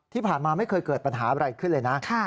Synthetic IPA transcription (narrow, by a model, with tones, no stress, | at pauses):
t̪ʰiː˥˩pʰaː˨˩nmaː˧ma˥˩jkʰɤː˧jkɤː˨˩t̪̚pa˧nɦaː˩˦ɾa˧jkʰɯ˥˩nlɤː˧jna˦˥kʰa˥˩